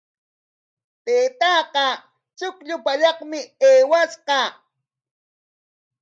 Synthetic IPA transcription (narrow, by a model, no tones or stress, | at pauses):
t̪eːt̪ɑqɑ | t͡ʃʊkʎʊpaʎɑχmɪeːwasqɑ